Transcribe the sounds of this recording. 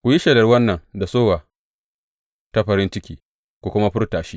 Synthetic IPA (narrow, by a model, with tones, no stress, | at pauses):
kʷu˨ji˦ʃe˨dɐ˨rwɐ˦nːɐ˨ŋda˨soː˦wa˨ | ta˦ɸɐ˨ɾɪ˦nt͡ʃɪ˦kʲiː˦ | kʷu˨kʷʊ˦ma˦ɸʊ˦rtaː˨ʃiː˦